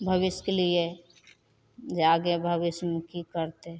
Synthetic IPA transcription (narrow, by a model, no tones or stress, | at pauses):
bʱəʋɪskelie | d͡ʒaɡebʱəʋɪsmkikəɾt̪e